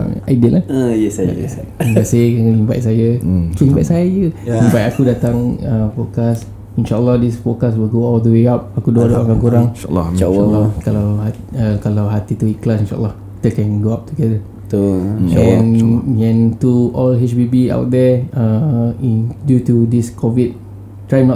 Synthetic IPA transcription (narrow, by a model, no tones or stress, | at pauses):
a̰jdiəʔlaəjəsaa̰saimbasekalimba̰jsajəkəlimba̰ʔsajajəimbajakudat̪aŋəfɔkas | inʃaʔəlːɔhdisfɔkaswilɡoɔld̪əweap̚akudoaʔdoʔakankuɾaŋ̰lːɔ̰aalɔkalawa | əkalawɦat̪it̪uiklasĩnʃa̰ʔə̰lːɔh | it̪əkɛ̃nɡoap̚t̪uɡɛdə | t̪ɛnɛ̃nt̪uɔlɦɛt͡ʃbibia̰wt̚dɛəindjutudiskʰɔvid̚ | tːɹajnɔt